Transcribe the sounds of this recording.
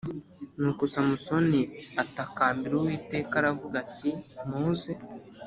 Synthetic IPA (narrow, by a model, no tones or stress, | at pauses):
nukusamuso̞niatakaːmbiɾuwiːte̞ːkaɾavuɡatimuːze